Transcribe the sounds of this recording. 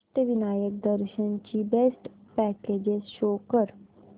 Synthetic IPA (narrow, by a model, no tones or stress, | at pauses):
ʈ̪əʋinajək̚d̪əɾɕənt͡ɕiːbesʈpæked͡ʑezɕokəɾ